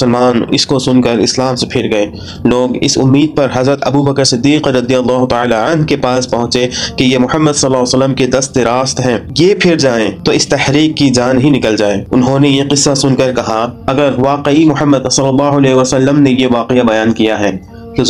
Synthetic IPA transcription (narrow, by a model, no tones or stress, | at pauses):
əlmaːnɪ̰skosʊnkəɾɪ̰slaːmsepʰɪɾɡɐeː | loːɡɪ̰sʊ̰mːiːd̪̚pɐɾɦɐzɾət̪ɐbubɐkəɾsɪd̪ːiːqːɐd̪ijɐlˠːaːɦʊt̪aaːlaɐnɦkepaːspɐɦʊ̃t͡ʃekejemʊhəmːəd̪sɐlːaːsəlːəmked̪ɐst̪ɾaːst̪ɦɛ̃ːjepʰɪɾd͡ʒaːẽt̪oɪst̪ɐhɾiːqːid͡ʒaːnɦinɪkəld͡ʒaːeːʊnɦõnejeqɪsːasʊnkɐɾkɐɦaɐɡəɾʋaːqeimʊhəmːəd̪sɐlːəlːaːɦʊɐlɛːɦeʋasɐlːəmnejeʋaːqɪjabɐjaːnkijaɦɛː | ke